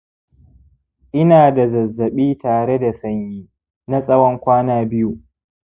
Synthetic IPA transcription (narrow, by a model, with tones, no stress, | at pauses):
ʔɪ˦naː˨da˨zɐ˨zːɐ˨ɓiː˦taː˨ɽe˦da˨sɐ˦ɲjiː˦ | na˦sʼɐ˦wɔ˦ŋkʷaː˦naː˦bɪ˦ju˨ʔ